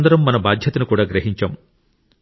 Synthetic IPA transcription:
nd̪ɐɾɐmːɐnɐbaːd̪ʱjɐt̪ɐnukuːɽaːɡɾɐɦiɲt͡ʃaːm

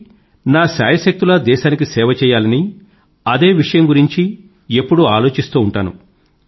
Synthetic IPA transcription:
naːʃa̰ːjɐʃɐk̚t̪ulɐd̪ɛːʃaːnik̬isɛːʋɐt͡ʃɛːjaːlɐni | ɐd̪e̞ːʋiʂɐjɐmɡuɾiɲt͡ʃi | e̞pːuɽuaːlo̞ːt͡ʃist̪uːɳʈaːnṵ

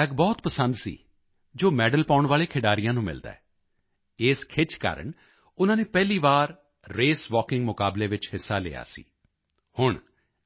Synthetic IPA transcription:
ɛɡbɔːt̪pəsənd̪sḭː | d͡ʒoːmɛːɖəlpaːʊɳʋaːleːkʰɪɖaːɾijãːnũːmɪ̰ld̪a̰ːɛː | ɪːskʰɪt͡ʃka̰ːɾə̰ɳ | ʊnãːneːpɛːliːʋaːɾ | ɾeːsʋɔːkɪ̃ŋɡmʊkaːbleːʋɪt͡ʃhɪsːaːlḛːja̰ːsḭː | hʊɳ

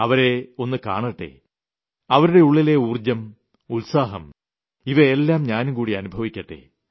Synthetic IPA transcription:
ɐʋɐɾe̞o̞nːɨka̰ːɳɐʈːḛ | ɐʋɐɾuɽe̞uɭːile̞uːrd͡ʑɐm | ulsaːɦɐm | iʋɐelːaːmɲaːnukuːɽiɐnubʱɐʋikʲːɐʈːḛ

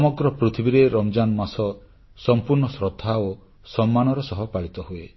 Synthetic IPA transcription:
ɔmɔɡɾɔpɾit̪ʰibiɾeɾɔmd͡ʒanɔmasɔ | sɔmpuɾɳɔsɾɔt̪ʰao | sɔmːanɔɾɔsɔɦɔpaɭit̪ɔɦue

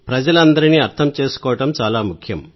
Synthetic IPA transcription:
pɾɐd͡ʒɐlɐnd̪ɐɾiniːɐɾt̪ʰɐmt͡ʃe̞ːsu̥kɔːwɐʈɐmt͡ʃaːlaːmukʰjɐm

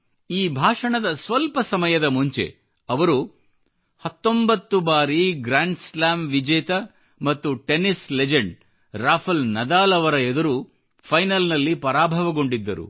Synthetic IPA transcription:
iːbʱaːʂɐɳɐd̪ɐsʋɐlpɐsɐmɐjɐd̪ɐmuɲt͡ʃe̞̰ | ɐʋɐɾu | hɐt̪ːo̞mbɐt̪ːubaːɾiɡɾaːɳɖslaːmʋid͡ʒɛːt̪ɐ | mɐt̪ːuʈe̞nisled͡ʒeɳɖ | ɾaːpʰɐlnɐd̪aːlɐʋɐɾɐed̪ɐɾu | pʰɐjnɐlnɐlːipɐɾaːbʱɐʋɐɡo̞ɳɖid̪ːɐɾṵ

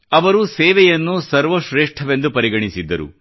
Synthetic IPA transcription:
ɐʋɐɾuseːʋɛjɐnːusɐɾʋɐʃɾeːʂʈʰɐʋe̞nd̪upɐɾiɡɐɳisid̪ːɐɾṵ

